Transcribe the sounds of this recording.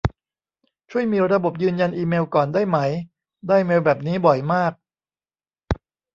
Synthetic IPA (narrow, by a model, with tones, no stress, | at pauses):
t͡ɕʰu˥˩əjmiː˧ɾa˧bo˨˩p̚jɯː˧nja˧nʔiː˧meː˧wkɔː˨˩ndaː˥˩jma˦˥j | daː˥˩jmeː˧wbɛː˨˩p̚niː˦˥bɔ˨˩jmaː˥˩k̚